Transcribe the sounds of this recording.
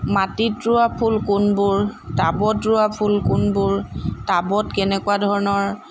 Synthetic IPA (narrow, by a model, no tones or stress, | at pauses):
matitɹʊapʰulkʊnbʊɹtabɔtɹʊapʰulkʊnbʊɹtabɔtkɛnɛkuadʱɔɹɔnɔɹ